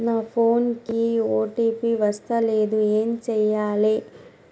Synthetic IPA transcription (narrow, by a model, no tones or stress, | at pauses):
naːpʰoːnkioːʈiːpiʋɐst̪ɐle̞ːd̪ueːmt͡ʃɛjːaːli